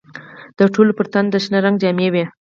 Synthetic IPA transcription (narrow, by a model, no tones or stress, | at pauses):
d̪̥əʈolopəɾt̪and̪əʃnəɾaŋɡd͡ʒɑmewe